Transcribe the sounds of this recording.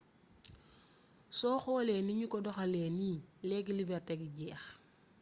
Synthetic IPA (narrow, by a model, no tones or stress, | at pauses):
sɔxɔleniɲukɔdɔxalenilek̬ilibɛɾteɡiɟɛːx